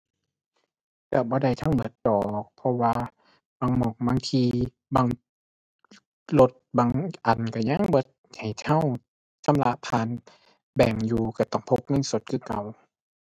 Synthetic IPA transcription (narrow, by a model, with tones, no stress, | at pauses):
ka˧˩bɔː˧˦da˧˩jt̪ʰa˧˥˨wmɯ˧˩ət̪̚dɔː˨˩k̚pʰɔ˧waː˧ | baː˧˩ŋmɔː˧˩ŋ̚baː˧ŋt̪ʰiː˧ | baː˧ŋ | lo˧t̪̚baː˧ŋʔa˨˩nka˧˩ɲa˧˥˨ŋbɔː˧˦ | ha˨˩jt̪ʰa˧˥˩w | sʰa˧˥˨mla˧˥ʔpʰaː˧˨n | bɛː˨˩ŋjuː˨˧ka˧˩t̪ɔː˧˩ŋpʰo˧˦p̚ŋɤ˧˥˨nso˧˦t̪̚kʰɯː˧˩˨ka˨˩w